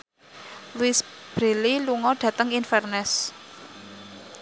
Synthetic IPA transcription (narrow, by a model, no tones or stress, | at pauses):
luisb̥ɾe̤liluŋɔɖ̥ä̤t̪əŋinfɛrnɛs